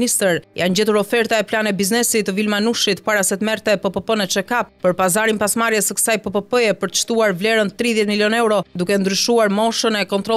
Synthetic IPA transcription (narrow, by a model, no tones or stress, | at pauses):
nist̪əɾjand͡ʑɛt̪uɾɔfɛɾt̪aɛplanɛbiznɛsit̪vilmanuʃit̪paɾasɛt̪mɛɾt̪ɛɛpəpəpənɛt͡ʃɛkap̚pəɾpazaɾinpasmaɾjɛsəkə̥sajpəpəpəjɛpəɾt̪ə̥ʃt̪uaɾvlɛɾənt̪ɾiðjɛt̪miljɔnɛɾɔd̪ukɛnd̪ɾyʃuaɾmɔʃənɛkɔnt̪ɾɔ